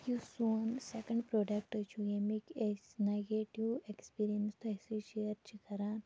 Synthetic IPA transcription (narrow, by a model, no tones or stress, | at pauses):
jusoːnsekə̃ɳɖpɾoːɖɐk̚ʈt͡ʃʰujemikesneɡeʈiwekspiːɾijənst̪ʰoesiʃeəɾt͡ʃʰikʰɐɾãːn